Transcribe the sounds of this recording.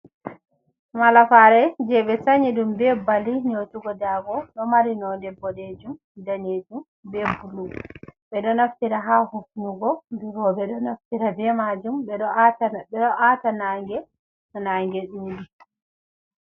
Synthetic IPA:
malafaɾɛd͡ʒɛɓɛsaɲiɗumbɛbaliniotuɡɔdaɡɔɗɔmaɾinɔdɛbːɔɗed͡ʒum | daned͡ʒum | bɛbulːuɡɔɓɛɗɔnaftiɾaɦahufnuɡɔbiɾɔbɛɗɔnaftiɾabɛmad͡ʒumbɛɗɔɛɔʔatanaŋɡɛ | ɔnaŋɡɛɗuːdi

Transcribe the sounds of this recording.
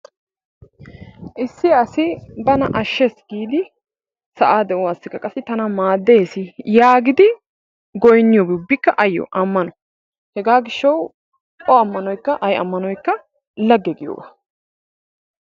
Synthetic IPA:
ʔɪsːɪɐsɪbɐnɐʔɐʃːɛsɡ̥iːd̪ɪ | sɐʔaːd̪ɛʔʊwaːsːɪkːɐkʼɐsːɪt̪ɐnɐmaːd̪ːesɪjaːɡɪd̪ɪ | ɡɔjnːɪjoːbʊbːɪkːɐʔɐjːɔ̰ʔɐmːɐnɔ | hɛɡaːɡɪʃːɐw | ʔɔɐmːɐnɔjkːɐʔɐjɐ̰mːɐnɔjkːɐ | lɐɡːɛɡɪjo̰ːɡa

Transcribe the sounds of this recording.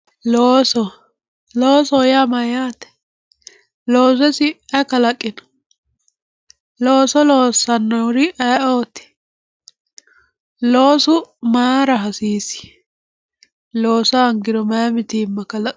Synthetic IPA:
loːsɔ | loːsɔjamɐjaːt̪ɛ̥ | loːs̬ɛsɪɛkɐlɐkʼːɪnɔ̥ | loːsɔloːsɐnːɔwʊɾɪʔɛʔoːt̪ɪ̥ | lo̞ːsʊmaːɾɐɦɐsiːsɪ̥ | loːsɐːŋɡɪɾɔmɐmɪt̪iːmːɐkɐlɐ

